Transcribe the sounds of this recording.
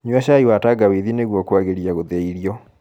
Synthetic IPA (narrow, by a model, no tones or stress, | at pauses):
ɲwaʃaiwataɡawiðineɣwɔkwaɣeɾiaɣoðeiɾiɔ